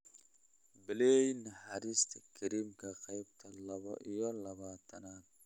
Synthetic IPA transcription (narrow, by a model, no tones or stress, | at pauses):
bɪlɛjnɐħaɾist̪ʰɐkʰɪɾimkʰɐqɐjbt̪ʰɐlɐβɐ̰ʔijɔlɐβaːt̪ʰɐnaːt̪̚